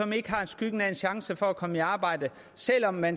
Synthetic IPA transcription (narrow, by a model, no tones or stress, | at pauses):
ɒ̽me̝ɡ̥əɦɑ̈e̝nsɡ̥yɡ̥ənæe̝nɕɑ̈ŋsəfɒ̽ækʰɒ̽məiɑ̈ːb̥ɑ̈ɪ̰d̥ə | sel̰ɒ̽mːæn